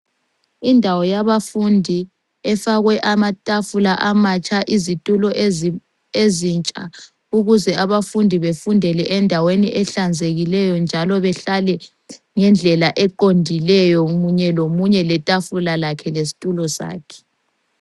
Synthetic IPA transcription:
indʱawɔjaβafundʱi | ɛfaɣwɛʔamatʼafulaʔamat͡ʃʼaʔizitʼulɔʔ | ezint͡ʃʼa̰ | uɣuzɛʔaβafundʱiβefundʱɛlɛʔɛndʱaweniʔɛɬand͡zʱeɣilɛjɔnd͡ʒʱalɔβɛɬalɛ | ŋɛnd͡ɮʱɛlaʔɛǃondʱilɛjɔɣuɲɛlomuɲɛlɛtʼafulalakʰɛles̬i̥tʼulɔsa̰ːkʰɛ̥

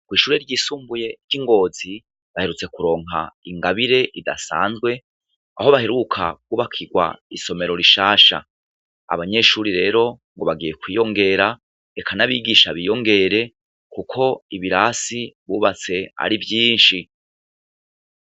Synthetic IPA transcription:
kwiːʃuːɾeɾɟiːsuːmbuje̞ɾɟiŋɡo̞ːzi | βahe̞ɾut͡se̞kuɾo̞ːŋ̥ɦa̰iŋɡaβiɾe̞ʔida̰sa̰ːnzɡwe̞ | a̰ho̞βahe̞ɾukʰa̰kuːβakʰiɡwa̰iso̞me̞ɾo̞ɾiʃaːʃa̰ | a̰βaɲe̞ʃuːɾiɾe̞ːɾo̞ŋɡo̞βaɡije̞kwiːjo̞ŋɡe̞ɾa | ekʰanaβiɡiʃaβiːjo̞ŋɡe̞ɾe̞ | kukʰo̞iβiɾasiβuːβat͡se̞a̰ɾivjiːnʃi

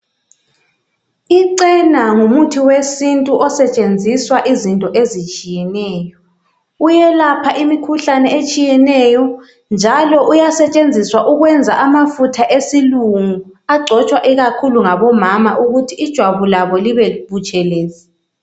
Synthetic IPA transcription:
iǀɛnaŋumutʰiwesintʼuʔɔsɛt͡ʃʼend͡zʱiswaʔizintʼɔʔezit͡ʃʼijɛnɛːjɔ | ujɛlapʰaʔimikʰuɬanɛet͡ʃʼijɛnɛjɔ | nd͡ʒʱalɔʔujasɛt͡ʃʼend͡zʱiswaʔuɣwɛnd͡zʱaʔamafutʰaʔesiluŋuaɡ͡ǀʱɔt͡ʃʼwaʔiɣakʰuluŋaβɔmamaʔuɣutʰiːd̥ʒ̥ʱwaβulaβɔliβɛβut͡ʃʼɛleːzi

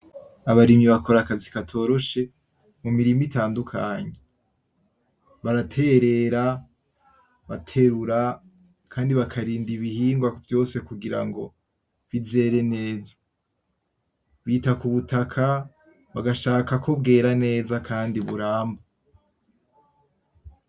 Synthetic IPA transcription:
aβaɾimɲiβakʰo̞ɾakazikatʰo̞ːɾo̞ʃe̞ | mumiɾimitaːndukʰaɲe | βaɾatʰe̞ɾe̞ɾa | βatʰe̞ɾuɾa | kʰaːndiβakʰaɾiːndiβihiːŋɡwavjo̞ːse̞kuɡiɾa̰ŋɡo̞̰ | βize̞ːɾe̞ne̞ːzḁ | βiːtakuβutakʰa | βaɡaʃaːkakʰobɡe̞ːɾane̞ːzakʰaːndiβṵɾaːmba

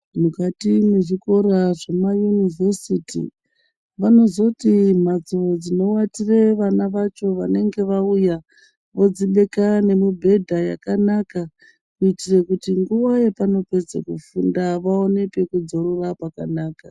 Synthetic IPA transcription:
mukatimeʐiko̞ɾaʐemajunivʱe̞sitḭ | ʋano̞zo̞tim̤ad͡ziod͡zino̞watireʋanaʋat͡ʃo̞ʋane̞ŋɡe̞ʋauja | ʋo̞d͡ziɓe̞kane̞mibʱe̞dʱaja̰kanaka | kuitirekutiŋɡuʋajepano̞pe̞d͡zḛkufundaʋao̞ne̞pe̞kud͡zo̞ɾorapakanaːka

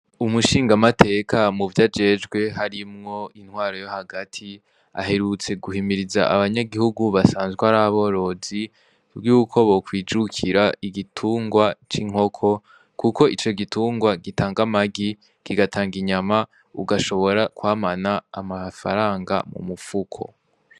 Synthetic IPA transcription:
umuʃiːŋɡamatʰe̞ːkʰamuvjad͡ʒe̞ːd͡ʒɡwe̞ɦaɾimŋo̞in̥hwaːɾo̞jo̞haɡatʰi | a̰ɦe̞ɾut͡se̞ɡuhimiɾiza̰ʔa̰βaɲaɡihuɡuβasaːnzwehaɾaβo̞ɾo̞zi | bɡuːkʰo̞βo̞kwiːd͡ʒukʰiɾaiɡitʰuːŋɡwat͡ʃiŋ̥o̞kʰo̞ | kuko̞it͡ʃo̞ɡituːŋɡwaɡitʰaːŋɡamaɡi | ɡ̥iɡatʰaːŋɡiɲama | uɡaʃo̞βo̞ɾakwaːmanaːmafa̰ɾaːŋɡa̰mṵmufukʰo̞̰

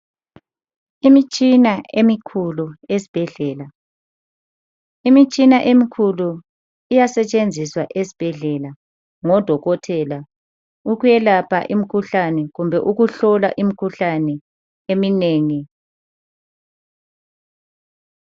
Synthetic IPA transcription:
imit͡ʃʼinaemikʰuluezi̥b̥ʱɛɮɛːla | imit͡ʃʼinaʔemikʰulu | ijasɛt͡ʃʼend͡zʱiswaʔezib̥ʱɛɮɛla | ŋɔd̥ʱɔɣɔtʰɛla | uɣujɛlapʰa̰ʔimikʰuɬanɛɣumbʱɛʔuɣuɬɔla̰ʔimikʰuɬanɛ | emineːŋi

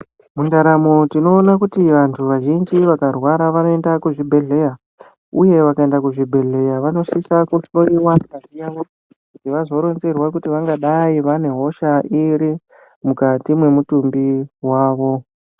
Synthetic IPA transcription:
mundaɾamotino̞ːnakutiʋantʰuʋaʒind͡ʒiʋakarwaɾaʋano̞endakuʐibʱe̞ɮe̞ja | uje̞ʋakae̞ndakuʐibʱe̞ɮe̞jaʋano̞ʃisakuɬo̞iwakazijaʋo | kutiʋazo̞ɾo̞nze̞rwakutiʋaŋɡaɗaiʋane̞ɦo̞ʃaiɾi | mukatimwe̞mutumbiɦwaːʋo̞

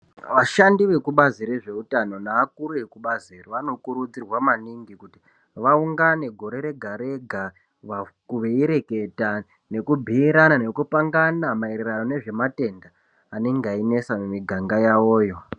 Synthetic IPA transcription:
ʋaʃandiʋe̞kuɓaziɾe̞ʐe̞utano̞naːkuɾuekuɓaziriʋano̞kuɾud͡zirwamaniŋɡikuti | ʋauŋɡane̞ɡʱo̞ɾe̞ɾe̞ɡʱaɾe̞ɡʱa | ʋakuʋeiɾe̞ke̞ta | ne̞kubʱiiɾanane̞kupaŋɡanamaeɾerano̞ne̞ʐe̞mate̞ndaː | neŋɡaine̞samumiɡʱaŋɡajawo̞ːjo̞

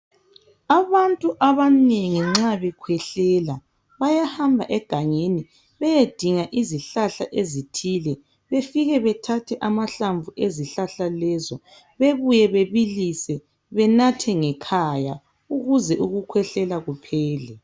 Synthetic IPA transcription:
aβantʼuʔaβaneŋiŋ͡ǁaβɛkʰwɛɬɛla | βajahambʱa̰ʔɛɡ̥ʱaŋeni | βɛjed̥ʱiŋaʔiziɬaɬa̰ʔezitʰiːlɛ | βefiɣɛβɛtʰatʰɛʔamaɬaɱvuʔeziɬaɬalɛːzɔ | βeβujɛβeβilisɛ | βɛnatʰɛŋɛkʰaja | uɣuzɛʔuɣukʰwɛɬɛlaɣupʰɛːlɛ

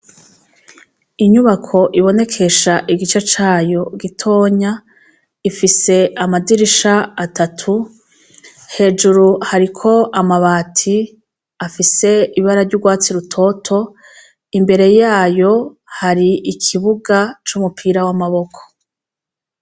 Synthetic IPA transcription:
iɲuβakʰo̞ʔiβo̞ne̞kʰe̞ʃaʔiɡit͡ʃet͡ʃaːjo̞ɡitʰo̞ːɲa | ifise̞amadiɾiʃaatʰatʰu | he̞ːd͡ʒuɾuhaɾikʰo̞ʔamaβaːtʰi | afise̞iβaɾaɾɟuɡwaːt͡siɾutʰo̞tʰo̞ | imbe̞ɾe̞jaːjo̞haɾiikʰiβuɡat͡ʃumupʰiːɾawamaβo̞kʰo̥

